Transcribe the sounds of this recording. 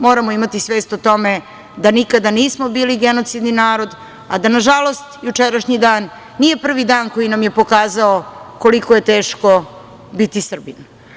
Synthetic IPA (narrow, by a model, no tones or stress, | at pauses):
mo̞ːɾamoimat̪isʋeːst̪ot̪o̞me | d̪anikad̪aniːsmobiːliɡeno̞t̪sid̪ninaːɾo̞d̪ | a̰d̪anaʒalo̞st̪jut͡ʂeɾaʃɲid̪aːnː | ije̞pr̩ʋid̪aːnkojinamje̞po̞kaːzaoko̞likoje̞t̪e̞ːʃko̞ | bit̪isr̩bin